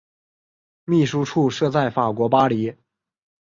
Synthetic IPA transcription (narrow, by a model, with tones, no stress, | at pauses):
mi˥˩ʂu˥ʈ͡ʂʰu˥˧ʂɤ˥˧t͡sa˥˩ɪfa˨˩kwɔ˧˥pa˥li˧˥